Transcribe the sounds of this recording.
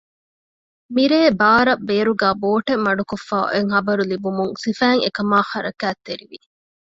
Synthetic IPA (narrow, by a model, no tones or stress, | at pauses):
miɾeːbaːɾɐbeːɾuɡæːboːʈemːɐɖukofːa̰ːeŋɦɐbɐɾulibumuŋsifæːŋḛkɐmaːxɐɾɐkæːt̪ːeɾiʋi